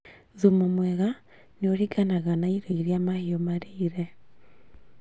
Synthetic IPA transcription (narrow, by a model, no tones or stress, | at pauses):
ðumomwɛɣa | neoɾiɡanaɣanaiɾeiɾiamahiomaɾiːɾɛ